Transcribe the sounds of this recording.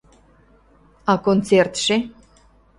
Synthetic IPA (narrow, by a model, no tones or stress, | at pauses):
akont̪sert̪ʂe